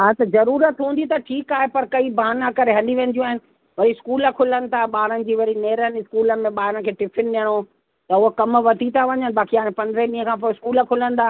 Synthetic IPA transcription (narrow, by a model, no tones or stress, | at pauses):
ɦaːt̪ɐzɐɾuːɾət̪ɦũːnd̪it̪ɐʈʰiːkaːɦepɐɾkɐibʱaːnãkɐɾeɦɐ̃niʋẽːn̆d̪ijũaːɦɪnɪ̆ | ʋɐɾiskuːləkʰʊlənɪ̆t̪ʰaɓaːɾənɪ̆d͡ʑiːʋɐɾineːɾənɪskuːləmẽɓaːɦɪɾənɪ̆kʰeːʈɪpʰɪnɗɪəɽ̃o | t̪ɐʊɦokɐmʋɐt̪it̪ʰaʋɐ̃ɲənɪ̆baːkiaːɪ̃ɽ̃pɐ̃nd̪ɾeɗiːɦə̃kʰãːpoɪskuːlkʰʊlə̃nd̪aː